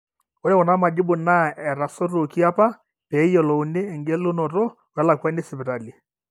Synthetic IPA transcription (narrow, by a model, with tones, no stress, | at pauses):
ɔ˦ɾɛ˦wɔ˨na˦ma˨d͡ʒɪ˦bʊ˨na˦ɛ˨ɾa˨sɔ˦ɾo˨ki˦a˦pa˦ | pɛ˨˦jɔ˨lɔ˨ʊ˨nɪ˦ɛ˨ŋɡɛ˦lʊ˦nɔ˨ɾɔ˦ | ɔ˨ɾa˦la˨ka˦nɪ˦sɪ˨bɪ˨ɾa˨li˨